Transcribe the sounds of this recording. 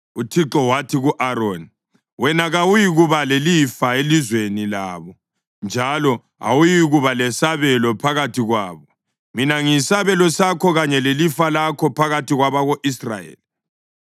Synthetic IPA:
utʰiǁɔwatʰiɣuʔaɾon | wɛnaɣawujiɣuβalelifaelizwenilaːβɔ | nd͡ʒʱalɔ | a̰wujiɣuβalɛsaβɛlɔpʰaɣatʰiɣwaːβɔ | minaŋisaβɛlɔsakʰɔɣaɲɛlelifalakʰɔpʰaɣatʰiɣwaβaɣoʔisra̰jḛːli

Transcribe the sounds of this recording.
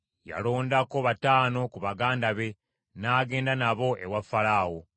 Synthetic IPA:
ja̰lo̞ːndako̞βataːno̞kuβaɡaːndaβe̞ | naːɡe̞ːndanaβo̞ʔe̞̰wafalaːwo

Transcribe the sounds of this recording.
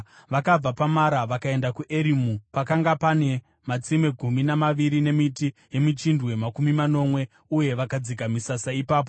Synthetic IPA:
ʋakab͡vapamaɾaʋakae̞ndakuʔe̞ɾimupakaŋɡapane̞ | mat͡sime̞ɡʱuminamaʋiɾine̞mitije̞mit͡ʃindwe̞makumimano̞mwe̞ | uje̞ʋakad͡ziɡʱamisasaipaːp̬o̞

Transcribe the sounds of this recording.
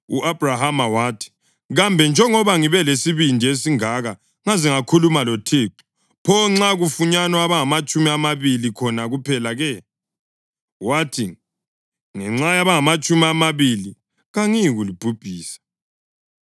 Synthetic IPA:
ṵʔab̥ʱrahamawaːtʰi̥ | ɣambʱɛnd͡ʒʱɛŋɔβaŋiβɛlesiβindʱies̬iŋaɣa | ŋaziŋakʰulumalotʰeːǁɔ̥ | pʰɔŋ͡ǁaɣufuɲanɔaβaŋamat͡ʃʼumiamaβilikʰɔnaɣupʰɛlaɣɛ | watʰi | ŋɛŋ͡ǁajaβaŋamat͡ʃʼumiamaβili | ɣaŋiɣulib̥ʱub̥ʱiːsḁ

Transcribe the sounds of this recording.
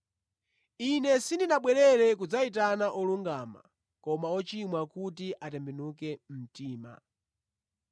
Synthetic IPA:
inɛsindinaɓwɛɾɛɾɛkud͡zait̬anaʔɔluŋɡaːma̰ | kɔmaɔt͡ʃimwakut̬iʔatɛmbɛnukɛm̩tiːma̰

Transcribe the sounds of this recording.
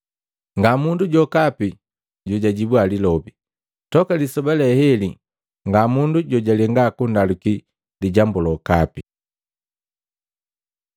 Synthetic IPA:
ŋɡamunduɟɔkapi | ɟuɟaɟibwalilɔbi | tɔkalisɔbalɛhɛli | ŋɡamunduɟɔɟalɛŋɡakundaluki | liɟambulɔkapi

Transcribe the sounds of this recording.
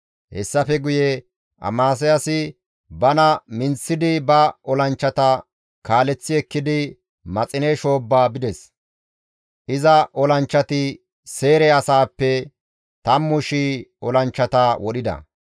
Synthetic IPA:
hɛsːɐfɛɡʊjɛ | ʔɐ̰maːs̬ɛjɐsɪ | bɐnɐmɪnsːɪd̪ɪbɐɔlɐnt͡ʃːɐt̪ɐ | kaːlɛt͡sːɪɛkːɪd̪ɪ | mɐt͡sʼɪneʃo̞ːbːaːbɪd̪ɛs | ʔɪzɐʔɔlɐnt͡ʃːɐt̪ɪ | se̞ːɾɛɐsaːpːɛ | t̪ɐmːʊʃiɔlɐnt͡ʃːɐt̪ɐwɔɗɪd̪ɐ̰

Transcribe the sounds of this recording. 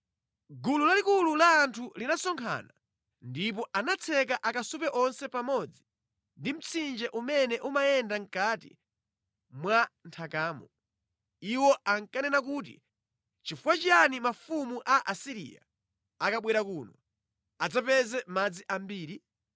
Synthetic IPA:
ɡululalikululaːntʰulinasɔŋkʰa̰ːna | ndip̬ɔʔanat͡sʰɛk̬aʔakasupɛʔɔnsɛpamɔd͡zi | ndim̩t͡sʰind͡ʒɛʔumɛnɛʔumajɛndaŋ̩katḭ | mwantʰakaːmɔ | iwɔʔaŋkanɛnak̬uːtḭ | t͡ʃifuwat͡ʃijanimafumuʔaʔasiɾḭa̰ | akaɓwɛɾakuːnɔ | ad͡zapɛzɛmad͡ziʔam̩biːɾi

